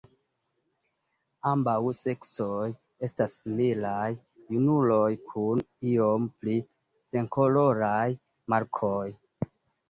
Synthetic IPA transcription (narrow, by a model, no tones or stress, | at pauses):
ambawse̞ksoj | e̞stasːimilajː | unulojkʰun | iompli | se̞ŋko̞lo̞ɾaj | maɾkʰoj